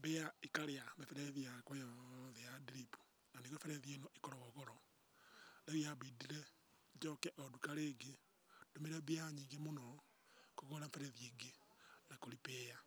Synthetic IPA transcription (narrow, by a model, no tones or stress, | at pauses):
beaikaɾeamefɛɾɛðiakwojɔðɛjadiɾipu̥ | naniɣefɛɾɛðienɔʔikɔɾɔɣɔɣɔɾɔ | leɣiabidiɾɛ | d͡ʒɔkɛʔɔdukaɾeːɡe | domeɾɛbeaɲiɡemonɔ | koɣoɾaɱfɛɾɛðieɡenakoɾipeːja